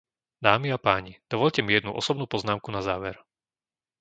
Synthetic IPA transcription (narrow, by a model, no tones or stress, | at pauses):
d̪aːmiapaːɲid̪̥ɔʋɔʎcɛmijɛd̪nuʔɔ̰sɔbnuːpɔznaːmkunazaːʋɛɾ